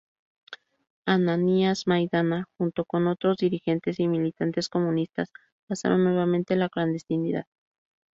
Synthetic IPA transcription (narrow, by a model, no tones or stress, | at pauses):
ananiazmajðanaxunt̪o̞ko̞no̞t̪ɾo̞zðiɾixe̞nt̪e̞similit̪ant̪e̞sko̞mũnist̪a̰s | pasa̰ɾonːwe̞βamẽnt̪elakland̪e̞st̪iniða̰ð